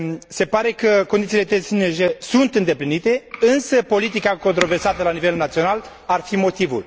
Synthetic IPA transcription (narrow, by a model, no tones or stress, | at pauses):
se̞paɾe̞kəkond̪it̪silet̪esineʒesunt̪ɨnd̪eplinit̪e̞ɨnsəpo̞lit̪̬ikako̞nt̪ɾo̞ve̞rsat̪əlanive̞lnat̪sio̞nal | arfimo̞t̪ivṵl